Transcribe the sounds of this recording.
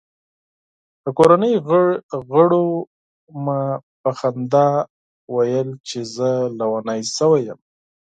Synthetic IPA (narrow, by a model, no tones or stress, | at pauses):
d̪̥əkoɾanəjɣɣəɽo | mapaxand̪ɑ | wajəlt͡ʃezəlawanajsəwajəm